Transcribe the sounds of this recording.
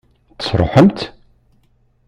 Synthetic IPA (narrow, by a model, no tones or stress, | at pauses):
t̪ə̥sˤɾˤo̰ħəmt̪